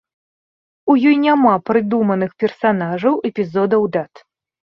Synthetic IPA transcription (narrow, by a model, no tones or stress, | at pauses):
ujɔjnʲamapɾɨd̪umɐnɨxpʲɛrsanaʐɐwʔɛpʲizɔd̪ɐwd̪at̪